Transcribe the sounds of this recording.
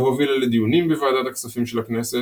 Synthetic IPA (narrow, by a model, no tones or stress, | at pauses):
ɦovilaled̪ijunimbevaːd̪at̪aksafimʃelaknese